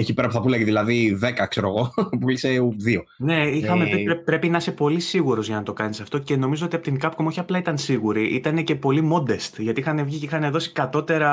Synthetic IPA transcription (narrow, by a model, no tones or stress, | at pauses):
eçipe̞ɾɐpuθɐpulɐʝiðilɐðiðekɐkseɾo̞ɣo̞puliseuðio̞ne̞ixɐmeepɾe̞pinɐse̞po̞lisiɣuɾo̞zʝɐnɐt̪o̞kɐnisɐft̪o̞ce̞no̞mizo̞o̞t̪iɐpot̪iŋkɐpkomoçiɐplɐit̪ɐnsiɣuɾiʔit̪ɐne̞ce̞po̞limo̞d̪e̞st̪ʝɐt̪iixɐne̞vʝicixɐneðo̞si̥kɐt̪o̞t̪e̞ɾɐ